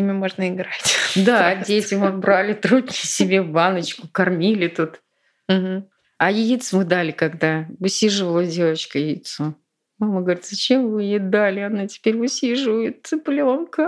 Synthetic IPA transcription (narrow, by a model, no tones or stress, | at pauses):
imʲɪmo̞ʐnəɪɡɾatʲd̪adʲesʲvʲɪmɐbɾalʲɪt̪ɾud̪ʲnʲɪsʲɪbʲebanət͡ɕkʊkɐrmʲilʲɪt̪ut̪ | m̩ɦ̩ | ajɪjit̪sɨmɨd̪alʲɪkɐɡd̪aʊsʲiʐɨvəlˠədʲe̞vət͡ɕkəjɪjit̪sʊ | maməɡəvɐɾʲit̪zət͡ɕemvɨjed̪alʲɪɐnatʲɪ̥pʲeɾʲʊsʲiʐɨvəjɪt̪ɨplʲɪonkə